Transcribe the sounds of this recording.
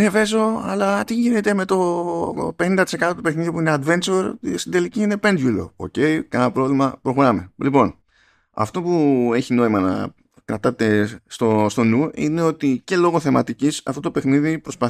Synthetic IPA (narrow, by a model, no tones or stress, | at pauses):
eve̞zo̞ɐ̰lɐt̪iʝinet̪e̞me̞t̪o̞ | pe̞nind̪ɐt̪i̥sekɐt̪o̞t̪upe̞xniðipuineɐd̪ve̞nt͡ʃoɾst̪id̪eliciinepe̞nd̪ʝulo̞̰o̰ce̞ikɐnɐpɾo̞vlimɐpɾo̞xo̞ɾɐme̞lipo̞n | ɐ̰ft̪o̞pue̞çino̞imɐnɐ̰ | kɾɐt̪ɐt̪e̞st̪ost̪o̞nuine̞o̞t̪ice̞lo̞ɣo̞θe̞mɐt̪icisɐ̰ft̪o̞t̪ope̞xniðipɾo̞spɐ